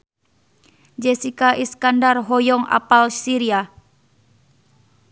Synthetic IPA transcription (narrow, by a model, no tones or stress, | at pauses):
d͡ʒesikaʔiskandarɦɔjɔŋa̰palsiɾia